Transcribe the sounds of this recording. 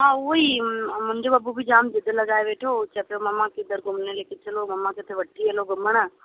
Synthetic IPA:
ɦaːʊimʊ̃ɪ̃ɲd͡ʑoɐbubid͡ʑaːmd͡ʑɪd̪ɪlɐɡaːeʋeːʈʰot͡ɕʰɐpjomɐmãkɪd̪əɾɡʊmnelekɪt̪ʰɪlomɐmãkɪt̪ʰeʋɐʈːiɐloɡʊməɽ̃ə

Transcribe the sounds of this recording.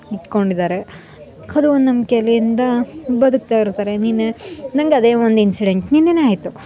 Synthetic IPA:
it̪ko̞ɳɖid̪aːɾe̞ | ɐd̪uond̪nɐmkelijind̪ɐbɐd̪uk̚t̪aːiɾt̪aːɾe̞niːnːenɐŋɡeɐd̪eːʋond̪uinsiɖeɳʈninːeneaːjit̪u

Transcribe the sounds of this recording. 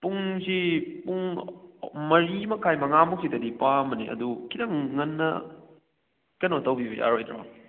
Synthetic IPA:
puŋsipuŋ | mɐɾimɐkʰajmɐŋamuksitɐdipamɐnḭɐ̰dukʰidɐŋːɐnːɐ̰ | kɐnotɐwbibḛja̰ɾojtɾa̰m

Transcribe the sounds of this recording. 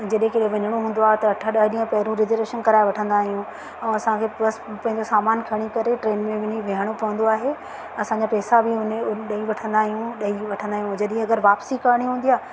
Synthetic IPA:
d͡ʑɐɗɦẽkɪɗɦẽʋɐɲəɽ̃oɦũːn̆d̪oaːɦet̪ɐɐʈʰaɗɐɦɗĩːə̃pɐɦɪɾũɾɪd͡ʑɾeʃənkɐɾaːeʋɐʈʰə̃nd̪aːɦijũ | ɛ̃ɐsãkʰeːbɐspɐ̃ɦɪ̃ɲd͡ʑosaːmaːnkʰɐɽ̃ikɐɾeʈɾeːnmẽʋɪniʋeɦəɽ̃opɐə̃nd̪oaːɦe | ɐsãːɲd͡ʑapɛːsabɪʊnɗɐiʋɐʈʰə̃nd̪aːɦijũɗɐiʋɐʈʰə̃nd̪aːɦijũd͡ʑɐɗĩɐɡəɾʋaːpsikaɾɽ̃iɦũːnd̪ijaː

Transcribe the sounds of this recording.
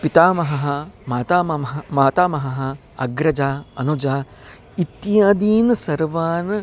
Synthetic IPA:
pit̪aːmɐɦɐɦɐmaːt̪aːmɐmaːt̪aːmɐɦɐɦɐ | ɐ̰ɡɾɐd͡ʒaːɐ̰nud͡ʒaː | it̪ːjaːd̪iːnɐsɐɾʋaːn

